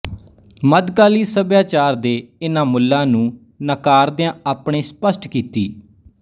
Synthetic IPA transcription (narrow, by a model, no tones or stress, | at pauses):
məd̪ɡaːliːsəbjaːt͡ʃaːɾd̪eːɪnãːmʊlːãːnũː | nəkaːɾd̪eãːaːpɳeːspəsʈkiːt̪iː